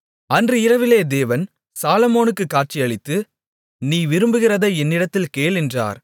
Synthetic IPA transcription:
ɐndrɯɪɾɐʋɪleːd̪eːʋɐn | saːlɐmoːnɯkːɯkːaːʈ̚t͡ʃɪjɐɭɪt̪ːɯ | niːʋɪɾɯmbɯɣɪrɐðɐɛnːɪɽɐt̪ːɪlkeːɭɪndra̰ːɾ

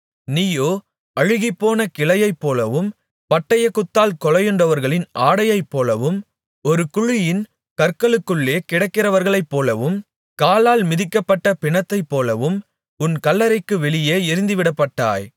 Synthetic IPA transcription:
nijoː | ɐɻɯɣɪpːoːnɐkɪlɐjɐɪpːoːlɐʋɯm | pɐʈːɐjɐkːʊt̪ːaːlkɔlɐjɯɳɖɐʋɐɾɣɐɭɪnʔaːɽɐjɐɪpːoːlɐʋɯm | ɔɾɯkʊɻɪjɪn | kɐɾkɐɭɯkːɯɭːeːkɪɽɐkːɪrɐʋɐɾɣɐɭɐɪpːoːlɐʋɯm | kaːlaːlmɪðɪkːɐpːɐʈːɐpɪɳɐt̪ːɐɪpːoːlɐʋɯm | ʊnkɐlːɐɾɐɪkːɯʋɛɭɪjeːɪɾɯnd̪ɯʋɪɽɐpːɐʈːaːj

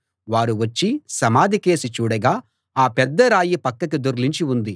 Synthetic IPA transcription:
ʋaːɾuʋɐt͡ʃːisɐmaːd̪ʱike̞ːsit͡ʃuːɽɐɡaː | aːpɛd̪ːɐɾaːjipɐkːɐkid̪uɾliɲt͡ʃiund̪i

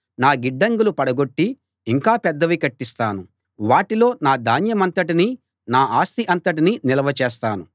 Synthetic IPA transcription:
naːɡiɖːɐŋɡulupɐɽɐɡo̞ʈːiː | ŋkaːpɛd̪ːɐʋikɐʈːist̪aːnu | ʋaːʈilo̞ːnaːd̪aːnjɐmɐnt̪ɐʈiniː | naːʔaːst̪iʔɐnt̪ɐʈ̬ininilɐʋɐt͡ʃeːs̬t̪aːnu

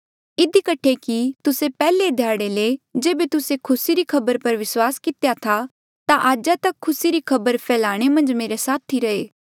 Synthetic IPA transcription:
ɪd̪ʱikɐʈʰekit̪ʊsepɛːled̪ʱjaːɽeled͡ʒeːbet̪ʊsekʰʊsiɾikʰɐbəɾpɐɾʋɪswaːskɪt̪ejat̪ʰa | t̪aʔaːd͡ʒat̪ɐkʰːʊsiɾikʰɐbəɾpʰɛːlaːɽ̃emɐ̃nd͡ʒmeːɾesaːt̪ʰːiɾɐeː

